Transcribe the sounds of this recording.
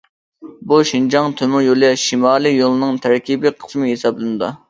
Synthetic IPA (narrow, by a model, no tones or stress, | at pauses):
buʃind͡ʒɑŋt̪ʰømʊjolˠɛʃimɑːlˠɨjolˠɨnɨŋt̪ʰæɾkʲʰibiqʰə̥smɨɦesɑblɨnɨd̪u